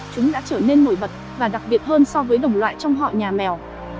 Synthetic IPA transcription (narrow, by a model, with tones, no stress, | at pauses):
t͡ɕʊ˨˦ŋ͡mɗa̰ː˧˥t͡ɕəː˧˩ne˧nːo˧˩jɓə˨˩t̚vaː˨˩ɗa˨˩k̚ɓi˨˩ət̚ɦəː˧nsɔ˧vəː˨˦jɗə˨˩wŋ͡mlwa̰ː˧˨jt͡ɕɔ˧wŋ͡mɦɔ̰˧˨jɲaː˨˩mɛ˨˩w